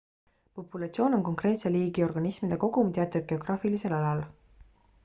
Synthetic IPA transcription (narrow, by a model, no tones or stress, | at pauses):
po̞pulɑt̪sio̞ːno̞nko̞ŋkre̞ːt̪seliːɡ̥io̞rɡ̥ɑnismid̪̥e̞ko̞ɡ̥umt̪eɑt̪ːˑud̪̚ɡ̥e̞oɡ̥rɑːfilise̞lɑlɑl